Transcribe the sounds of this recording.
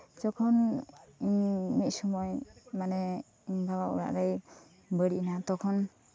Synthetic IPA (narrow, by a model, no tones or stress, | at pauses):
d͡ʒɔkʰɔniɲmit̪̚sumɔjmanɛ | iɲbawaʔṵɾa̰ʔɾəj | bəɽiʔnat̪ɔkʰɔn